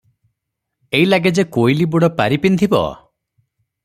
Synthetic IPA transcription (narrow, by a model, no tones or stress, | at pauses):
eilaɡed͡ʒekojlibuɽɔpaɾipind̪ʱibɔ̰